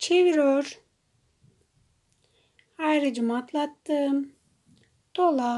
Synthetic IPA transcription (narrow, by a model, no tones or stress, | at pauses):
t͡ʃʰeʋiɾoɾ | ajɾɯd͡ʒɯmat̪lˠat̪ːɯ | t̪olˠa